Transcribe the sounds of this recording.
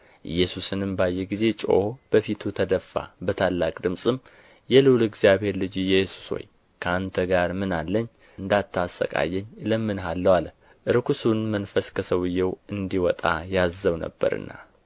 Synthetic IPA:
ʔɨjːɛsusɨnɨmbajːɛɡize̞t͡ʃʼo̰b̥əfit̪ʰut̪ʰəd̪əfːa̰bət̪ʰalːakʼd̪ɨmsʼɨm | jɛlɨwlɨɡzijaβhe̞ɾlɨd͡ʒijɛsu̥swo̰j | kʰəant̪ʰəɡaɾmɨnalːəɲː | ɨnd̪at̪ʰːasːə̰kʼa̰jːɛɲːləmːɨnɦalːəwal | ʔɨɾkʰusunmənfəskʰəsəwɨjːɛwɨnd̪iwɔt̪ʼa̰jazːəwnə̰bːə̰ɾɨ̰nːa̰

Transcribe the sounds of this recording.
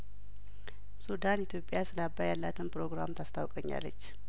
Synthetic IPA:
sud̪anit̪ʰjo̞pʼjasɨlabːajalːat̪ʰɨnpɾo̞ɡɾamt̪ʰast̪ʰawkʼəɲːa̰lːə̰t͡ʃː

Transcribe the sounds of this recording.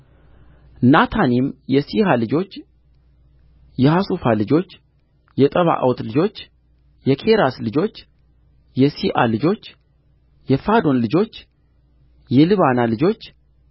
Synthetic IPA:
nat̪ʰanimjɛsihalɨd͡ʒo̞t͡ʃː | jɛhasufalɨd͡ʒo̞t͡ʃː | jɛt̪ʼəβa̰ʔa̰wt̪lɨd͡ʒo̞t͡ʃː | jɛkʰe̞ɾaslɨd͡ʒo̞t͡ʃː | jɛsiʔa̰lɨd͡ʒo̞t͡ʃː | jɛfad̪o̞nlɨd͡ʒo̞t͡ʃː | jɛlɨβanalɨd͡ʒo̞t͡ʃː

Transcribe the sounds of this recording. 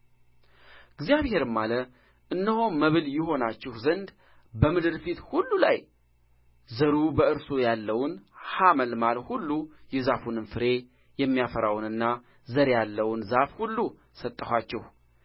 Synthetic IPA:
ɨɡzijaβhe̞ɾɨmːalə | ʔɨnːəho̞nməβɨljɪho̞nat͡ʃːɛhzənd̪ | bəmɨd̪ɨɾfit̪hulːulaj | zəɾubəɨɾsojalːəwnhaməlmalhulːujɛzafunɨnfɨɾe̞ | jɛmːijafəɾawnɨnːa | zəɾjalːəwnzafhulːu | sət̪ʼːəhʷat͡ʃːɛh

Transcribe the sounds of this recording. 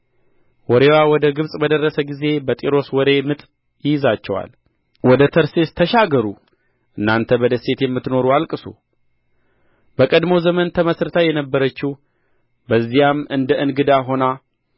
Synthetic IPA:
wɔɾewawɔd̪əɡɨβsʼbəd̪ərːəsəɡize̞bət̪ʼiɾo̞swɔɾe̞mɨt̪ʼ | jɪjzat͡ʃːɛwa̰l | wɔd̪ət̪ʰəɾsest̪ʰəʃaɡəɾu | ʔɨnːant̪ʰəbɔd̪əse̞t̪jɛmːɨt̪no̞ɾualkʼɨsṵ | bəkʼəd̪mo̞zəmənt̪ʰəməsɾɨt̪ʰajɛnəbːəɾət͡ʃːih | bəzːijamɨnd̪əʔɨnɡɨd̪aɦo̞na

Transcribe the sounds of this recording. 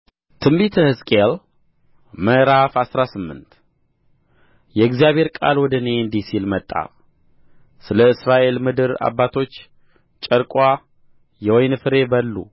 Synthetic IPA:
t̪ʰɨmbit̪ʰəhɨskʼel | məɾafasɾasɨmːɨ̰nt̪ | jɛɨɡzijaβhe̞ɾkʼa̰lwɔd̪əneɨnd̪isilmət̪ʼːa̰ | sɨləɨsɾaʔe̞lmɨd̪ɨɾa̰bːat̪ʰo̞t͡ʃː | t͡ʃʼəɾkʼwa | jɛwɔjnfɨɾe̞bəlːṵ

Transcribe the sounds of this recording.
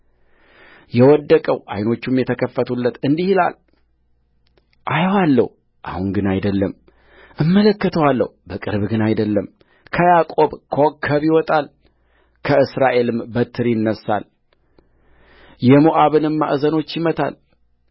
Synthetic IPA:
jɛwɔd̪ːəkʼəwʔa̰jno̞t͡ʃːumjɛt̪ʰəkʰəfːət̪ʰulːət̪ɨnd̪ihila̰l | ʔajwalːə̰h | ʔa̰hunɡɨnajd̪əlːəm | ʔɨmːələkːət̪ʰəwalːə̰hbəkʼɨ̰ɾβɡɨnajd̪əlːəm | kʰəjakʼo̞βkʰəwɔkʰːəβjiwɔt̪ʼal | kʰəɨsɾaʔe̞lɨmbət̪ʰːɨɾjɪnːəsːa̰l | jɛmuʔaβɨnɨmːa̰ʔzəno̞t͡ʃːjɪmət̪ʰa̰l

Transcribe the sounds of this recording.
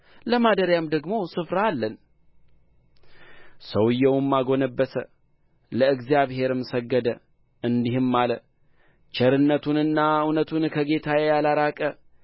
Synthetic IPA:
ləmad̪əɾjamd̪əɡmo̞sɨfɾaːlːən | səwɨjːɛwmːaɡo̞nəbːəsə | ləɨɡzijaβɦe̞ɾɨmsəɡːəd̪ə | ɨnd̪ihɨmːalə | t͡ʃɛɾɨnːət̪ʰunɨnːaunət̪ʰunkʰəɡe̞t̪ʰajɛjalaɾakʼə

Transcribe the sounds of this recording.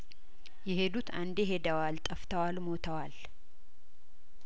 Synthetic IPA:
jɛɦe̞d̪ut̪ʰand̪eɦe̞d̪əwalt̪ʼəft̪ʰəwalmo̞t̪ʰəwal

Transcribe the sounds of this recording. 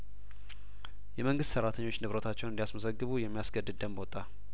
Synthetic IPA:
jɛməŋɡɨst̪səɾːat̪ʰəɲːo̞t͡ʃːnɨβɾət̪ʰat͡ʃːɛwnɨnd̪iasməsəɡːɨβujɛmːijasɡəd̪ːɨd̪̚d̪əmbot̪ʼːa

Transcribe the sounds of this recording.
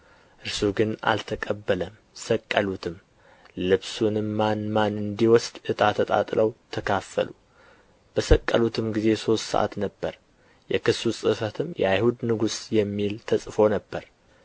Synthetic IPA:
ʔɨɾsuɡɨna̰lt̪ʰəkʼəbːələm | səkʼːəlut̪ʰɨm | lɨβsunɨmːanmanɨnd̪iwɔsd̪ʔɨt̪ʼat̪ʰət̪ʼa̰t̪ʼləwt̪ʰəkʰafːə̰lu | b̥əsəkʼːə̰lut̪ʰɨmɡize̞so̞st̪sə̰ʔa̰t̪nəbːəɾ | jɛkɨsusʼɨfət̪ʰɨmjʔɛ̰ajhud̪nɨɡusjɛmːilt̪ʰəsʼfo̞nəbːəɾ

